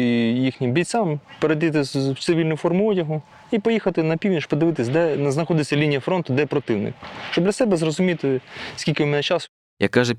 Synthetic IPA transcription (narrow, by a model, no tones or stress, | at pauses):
jixnʲɪmbʲij̪ʲt͡sʲampeɾejt̪̬ɪt̪̬ɪwt͡s̪sɪʋʲilʲnʊfɔrmʊɔdʲɐɦʊ | ipɔjixɐt̪ɪnɐpʲiwnʲiʃpɔd̪ɪʋɪt̪ɪsʲd̪ɛnznɐxɔd̪ɪsʲːɐlʲinʲijɐfɾont̪ʊd̪ɛpɾɔt̪ɪwnɪ̰kʃt͡ʃɔbd̪lʲɐsɛbɛzrɔzʊmʲit̪ɪskʲilʲkɪʊmɛnɛt͡ʃɑs | jɐ̰kːɑʒɛ